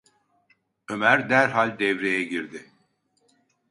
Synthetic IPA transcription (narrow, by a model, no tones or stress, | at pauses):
ø̞mæɾd̪æɾɦalʲd̪ɛvɾejɛɟiɾd̪ɪ